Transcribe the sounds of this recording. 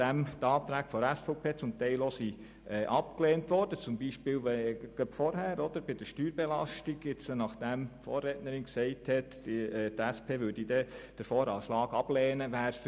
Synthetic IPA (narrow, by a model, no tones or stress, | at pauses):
æmtɑːt̪ɾæːkfɔæsfɔpʰeːt͡sʊmt̪ɛɪlosi | ɛʔɑpkleːntʋɔɾd̥ət͡sʊmbiʃpɪːlʋɛɡ̥œpfɔɾɦæːɾɔd̪əɾb̥ɪd̥əɾʃtyːɾbɛlɑʃtiɡɪt͡snɑχd̪̥æmfo̰ːɾɛtnəɾɪnksɛɪthɛtː | tæspʰeːʋʏɾd̥idɛd̥əɾfɔːɾɑʃlɑːɡɑb̥lɛːnəʋæːɾs